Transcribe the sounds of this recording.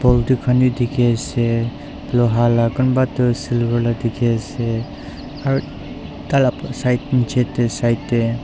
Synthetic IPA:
bɔldukʰanidikʰese | blɔɦalaɡɔnbatɯsilbaɾladikʰese | aɾu | talapsajt̚nt͡ʃʰetːesajtːe

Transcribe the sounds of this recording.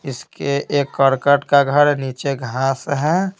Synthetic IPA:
ɪskeʔeːkːəɾkəʈkaɡʱəɾniːt͡ʃeɡʱãːsɦɛ̃

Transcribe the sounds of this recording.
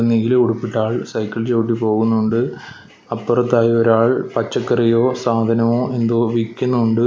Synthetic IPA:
nːiɡileuɽupːiʈːaːɭsɐjkːɐɭt͡ɕoːʈːipo̞ːɣunːuɳɖɨ | ɐpːurɐt̪ːaːjioɾaːɭpɐt͡ɕːɐkːɐrijo̞ːsaːd̪ʱɐnɐmoːʔe̞nd̪oːʋikʲːunːuuɳɖɨ

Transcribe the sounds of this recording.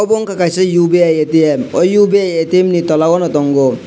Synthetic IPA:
ɔboŋkakajsʌjubeajet̪iemɔjubiajet̪iemnit̪ɔlawɔnʌt̪ɔŋɡo

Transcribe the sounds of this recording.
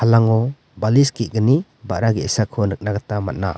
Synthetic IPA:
halaŋɔ | baliskiʔ̚ɡəni | ba̰ʔɾaɡesakʰːɔnɯk̚naɡatama̰t̚na̰

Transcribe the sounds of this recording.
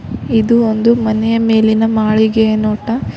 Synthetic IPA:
id̪uond̪umɐnɛjɐme̞ːlinɐmaːɭiɡenoːʈɐ

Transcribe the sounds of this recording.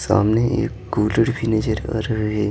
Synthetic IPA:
sa̰ːmneḛːkɡuːləɽpʰined͡ʒəɾɐ̰ɾɦe

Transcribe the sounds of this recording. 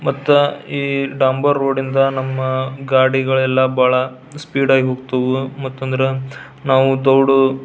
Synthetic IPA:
mɐt̪ːuiːɖaːmbɐɾːoːɖind̪ɐnɐmːɐɡaːɽiɡɐɭɛlːɐbaːɭɐ | spiːɖaːɡiɦoːɡ̚t̪ɐʋumɐt̪ːɐnd̪ɐɾe | naːʋud̪ɔwɽu

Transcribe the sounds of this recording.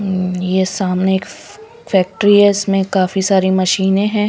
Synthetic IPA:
jesaːmneːk | fɛːk̚ʈɾiɦɛɪsmẽkaːfisaːɾimɐʃiːnẽɦɛ̃ː

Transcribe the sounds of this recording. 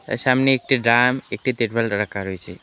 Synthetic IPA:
ə̰samneːk̚ʈiɖɾamek̚ʈit̪eɾbəlɾəkʰaɾojt͡ʃʰe

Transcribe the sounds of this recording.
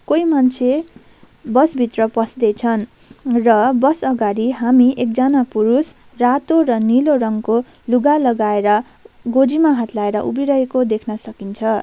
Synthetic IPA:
kojmant͡sʰe | bʌsbʱit̪rʌpʌsd̪et͡sʰʌn | rʌbʌsʌɡaɾiɦamiʔek̚d͡zʌnapuɾus | rat̪orʌnilorʌŋko | luɡalʌɡaeɾʌ | ɡod͡zimaɦat̪laeɾʌʔubiɾʌekod̪ekʰnʌsʌkint͡sʰʌ

